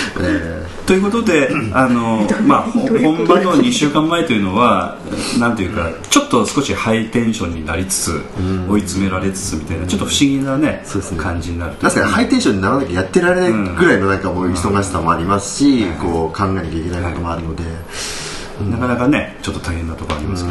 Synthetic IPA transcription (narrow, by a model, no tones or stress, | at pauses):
e | t̪o̞jɯ̟ko̞t̪o̞d̪e̞ano̞maohõ̞mbanoɲiɕɨːkãmːaet̪o̞jɯ̟no̞βa | nãnt̪e̞jɯ̟ːka | t͡ɕo̞t̪ːo̞sɨ̥ko̞ɕihait̪ẽ̞ɰ̃ɕõ̞ɲ̟ːinaɾʲit͡sɨ̥t͡sɨ̰̃o̞it͡sɨme̞ɾaɾe̞t͡sɨ̥t͡sɨmʲit̪ainat͡ɕo̞t̪ːoɸɯ̟̥ɕiɡʲinane̞sod̪eskʰãɲ̟d͡ʑiɲ̟inaɾɯ̟t̪oaskahait̪ẽ̞ɰ̃ɕõ̞ɲ̟ːinakanakajat̪ːe̞ɾaɾe̞naĩɡɯ̟ɾaimonãŋkamoiso̞ɡaɕi̥samoaɾʲimasɨ̥ɕiko̞ːkʰãŋɡaenakʲaikʲe̞naikot̪omoaɾɯ̟no̞d̪e̞ | nakanakanet͡ɕo̞t̪ːo̞t̪ʰaihẽ̞nːat̪o̞ko̞a̰ɾʲimask